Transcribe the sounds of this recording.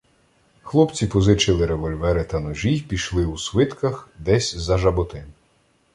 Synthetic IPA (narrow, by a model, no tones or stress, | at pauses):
xlˠɔpt͡sʲipɔzɪt͡ʃɪlˠɪɾeʋɔlʲʋɛɾɪt̪ɐnɔʒijpʲiʃlˠɪusʋɪt̪kɐxd̪ɛsʲzɐʒɐbɔt̪ɪm